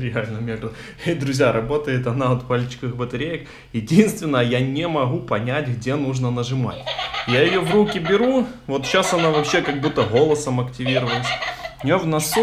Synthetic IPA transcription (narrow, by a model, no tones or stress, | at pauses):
ɾʲɪalʲnəmʲeɡ̪ə | ejd̪ɾʊzʲjaɾɐbo̞t̪əjɪt̪ɐnaot̪palʲt͡ɕɪ̥kɨxbət̪ɐɾʲejək | jɪdʲinst̪vʲɪnːəjəjanʲɪmɐɣupɐnʲætʲɣdʲenuʐnənəʐɨma̰tʲjajɪjovrukʲɪbʲɪɾuvo̞t̪ɕasɐnavɐpɕːe̞kɐɡ̚but̪ːəɣo̞lˠəsəmɐktʲɪvʲiɾəvəlʲˠɪsʲɪjovnɐsu